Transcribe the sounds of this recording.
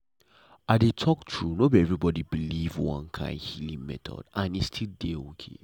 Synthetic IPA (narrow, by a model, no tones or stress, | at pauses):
adetʰɔk̚tʰɹunobiɛvɹibɔdibilivwɔ̰̃nkʰã̰ɪ̃ndhilĩŋmɛ̰tʰɔ̰dãnitstʰildeokʰḛ